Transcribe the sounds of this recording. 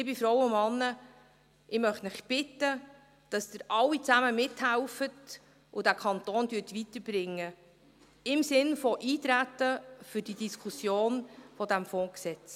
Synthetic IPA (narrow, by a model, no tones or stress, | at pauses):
ɪbɪfɾɔwʊmɑnːə | ʔɪmœχtmɪχb̥ɪtə | d̥ɑsd̥əɾʔɑlːit͡sæməmɪthælfət | ʔʊdækʰɑntoːndyːtʋitəɾb̥ɾɪŋːə | ɪmsɪnfɔʔiːtɾætːəfʏɾd̥idiskʰusjoːnfɔdæmfɔ̃ːksɛt͡s